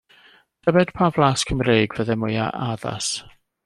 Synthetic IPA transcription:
d̥ʰəbɛd̥pʰavlˠaskʰəmreːɡvəðɛmʊja̰ʔaða̰s

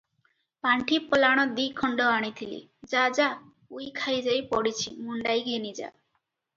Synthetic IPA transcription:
paɳʈʰipɔlaɽ̃ɔd̪ikʰɔɳɖɔaɽ̃it̪ʰilḭ | d͡ʒad͡ʒa | ujkʰajd͡ʒajpɔɽit͡ʃʰimuɳɖajɡenid͡ʒa̰

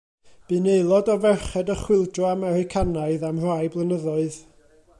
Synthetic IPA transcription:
b̥ɨnejlˠɔdɔvɛrχɛdəχwɪlˠdrɔamɛɾɪkʰanaɨðamr̥ajblˠənəðɔɨð

